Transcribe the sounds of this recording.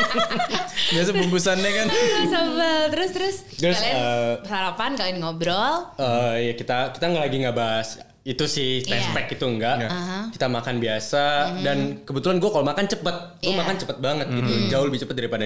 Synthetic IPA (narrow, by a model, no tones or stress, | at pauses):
bias̬əpumpusanɲakansabəlt̪əɾʊst̪əɾʊs | t̪əɾʊsəpəɦaɾapankalɪnŋobɾɔləːjakit̪aki̥t̪aŋɡaʔlaɡiŋɡabaɦas | it̪usɪht̪ɛspɛkit̪uəŋɡaʔki̥t̪amakanbiasadankəbət̪ulanɡuakalomakant͡ʃəpət̪̚ɡuamakant͡ʃəpət̪̚baŋət̪̚ɡit̪ud͡ʒaʊləbit͡ʃəpət̪̚daɾipada